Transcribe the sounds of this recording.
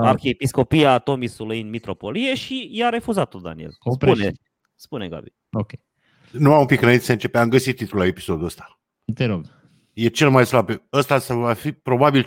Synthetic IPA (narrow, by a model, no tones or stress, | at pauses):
arxeepisko̞piat̪o̞misulujɨnmit̪ɾo̞po̞lie̞ʃijaɾe̞fuzat̪ːot̪̚d̪a̰nḭelspune | spuneɡa̰bi | okʲe | nuamumpikɾeit̪seɨnt͡ʃe̞peamɡəsit̪ːit̪ɾulae̞pi̥so̞d̪uəst̪ḁ | t̪eɾoɡ | je̞t͡ʃe̞lmajslabeəst̪asavafipɾo̞babil